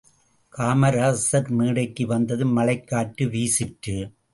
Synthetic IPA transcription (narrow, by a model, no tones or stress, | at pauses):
kaːmɐɾaːsɐɾmiːɽɐɪkːɯʋɐnd̪ɐðɯmɐlɐɪkːaːʈːɯʋiːsɪʈrɯ